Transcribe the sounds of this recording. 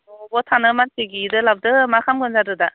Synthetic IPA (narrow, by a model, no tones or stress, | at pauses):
ɔbɔtʰanɯmansʰeɡidɯlab̚dɯmakʰamɡɯnzadɯda